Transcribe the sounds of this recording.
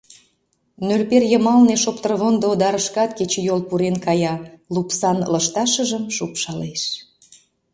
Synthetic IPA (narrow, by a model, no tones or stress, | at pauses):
nølperjəmɑlneʃopt̪ərβond̪ood̪ɑɾəʃkɑt̪ket͡ɕejolpuɾenkɑjɑlupsɑnləʃt̪ɑʃəʒəmʃupʃɑleʃ